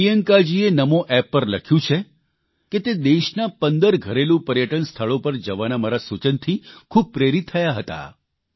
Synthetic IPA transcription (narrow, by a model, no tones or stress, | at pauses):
ijəŋkad͡ʒienəmoʔɛpːəɾləkʰjũt͡ʃʰe | ket̪ed̪eʃnapənd̪əɾɡʱəɾelũpəɾjəʈənst̪ʰəɭopəɾd͡ʒəʋanamaɾasut͡ʃənt̪ʰikʰub̚pɾeɾit̪ʰːəjaɦət̪a̰